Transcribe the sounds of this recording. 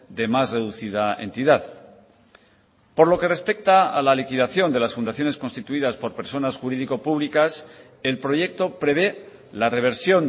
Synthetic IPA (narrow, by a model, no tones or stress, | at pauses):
d̪e̞masre̞ðuθiðaḛnt̪iðað | po̞ɾlo̞ke̞re̞spe̞k̚t̪aa̰lalikiðaθjo̞nd̪e̞lasfund̪aθjo̞ne̞sko̞nst̪it̪uiðaspo̞ɾpe̞ɾso̞nasxuɾiðiko̞puβlikas | e̞lpɾo̞ʝe̞k̚t̪o̞pɾe̞β̞e̞ | lare̞β̞e̞ɾsjo̞n